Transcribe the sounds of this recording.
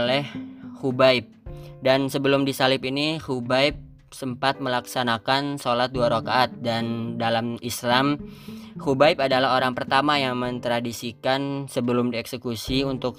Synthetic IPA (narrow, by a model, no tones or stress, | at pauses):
lɛhhubaɪp̚dansəbəlʊmdisalɪpinihubajp̚ | səmpat̪̚məlaksanakansolat̪̚duaɾokaːt̪̚dandalamislamhubaipadalaɦoɾaŋpərt̪amajaŋmənt̪ɾadisikansəbəlʊmdiɛksəkusiunt̪ʊk̚